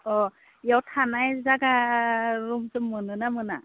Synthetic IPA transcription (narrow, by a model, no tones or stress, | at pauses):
ɔ | ijawtʰanajzaɡa | ɾumzɯmːɯnɯnamɯna̰